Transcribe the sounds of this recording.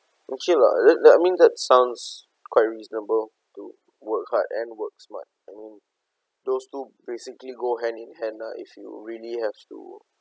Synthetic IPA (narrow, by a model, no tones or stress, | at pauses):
ʔɛ̃nkila̰dɛajmĩndɛt̚sãʊ̃nds | kwaɪt̚ɹiznəbəl | tṵ | wək̚ha̰tɛ̰̃nwək̚sma̰t̚ajmĩn | dostubesikliɡoɦɛ̃nĩnhɛ̃naʔḭfjṵɹilihɛftṵ